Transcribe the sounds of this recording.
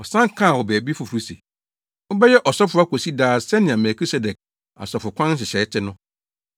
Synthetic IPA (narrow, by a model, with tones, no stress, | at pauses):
ɔ˨sã˦ŋ˦kʰã˦˨wɔ˨bɛː˨bi˦fʊ˨fu˨ɾu˦sḛ˨ | ʊ˦bɛ˦jɛ˦ʔɔ˨sɔ˦fʊ˨˦a˦kʰo˨si˦daː˦sɛ˦nɪ̃˨ã˨mɛ˨kʰi˦sɛ˦dɛ˨k̚ | a̰˨sɔ˨fʊ˨kʰʷã˦n˦s̬ɪ˨ɕɛː˨˦tʰɪ˦nʊ̃˦